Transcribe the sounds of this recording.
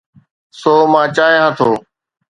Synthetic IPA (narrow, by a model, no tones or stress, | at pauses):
soːmãːt͡ʃaːɦeːɦə̃t̪ʰoː